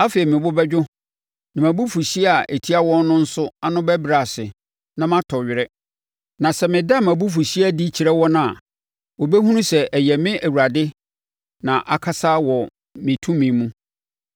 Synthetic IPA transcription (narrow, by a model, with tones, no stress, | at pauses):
a˦fe˨i˨mɪ̃˨bʊ˦bɛ˦d͡ʑᶣʊ˦ | nã˨mæ̃˨bu˦fu˨ɕi˦a˨ʔe˨tʰi˦a˦wɔ̃˦n˦nʊ̃˦n̩˦sʊ˦a˦nʊ̃˦bæ˦bɾa˨sɪ˨ | nã˦mã˦tʰɔ˨ɥɪ˨ɾɛ˦ | nã˨sɛ˨mɪ̃˨da˦˨mã˨bu˦f̬u˨ɕi˦a˦di˦t͡ɕʰi˨ɾɛ˦wɔ˦nã˨ | wɔ˨bɛ˦ɦũ˦nũ˦sɛ˨ʔɛ˨jɛ˨mɪ̃˦ʔæ˨wu˨ɾa˨dɪ˦ | nã˨ʔa˨kʰa˦sa˦wɔ˨ | mɪ̃˨tʰũ˦mĩ˨mũ˦